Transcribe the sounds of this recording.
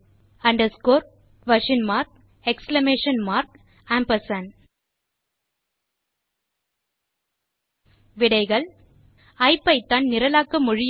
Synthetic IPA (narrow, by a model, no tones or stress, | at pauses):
ɐɳɖɐskoːɾ | ʋɐʂɪnmaːɾk̚ | ɛkslɐmeːʂɐnmaːɾk̚ | aːmpɐsɐn | ʋɪɽɐɪɣɐɭ | ɐɪpːɐɪt̪ːannɪɾɐlaːkːɐmʊɻɪj